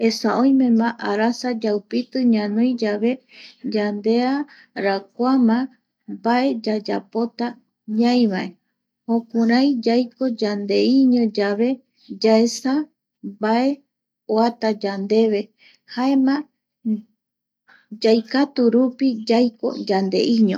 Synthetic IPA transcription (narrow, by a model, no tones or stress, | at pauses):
e̞saõj̃mẽ̞mãʔaɾasad͡ʒawpit̪ɨɲãnõj̃d͡ʒaβe̞ | d͡ʒand̪e̞a | ɾak̚ʷamã | bae̞d͡ʒad͡ʒa̰po̞t̪a | ɲãj̃βaʔe | hõkuɾãjd͡ʒajko̞d͡ʒand̪e̞iɲõ̞d͡ʒaβe̞ | d͡ʒaesa | bae̞ | oat̪ad͡ʒand̪e̞βe̞ | hae̞mã | d͡ʒajkat̪uɾupid͡ʒajko̞̰d͡ʒand̪e̞̰ʔiɲõ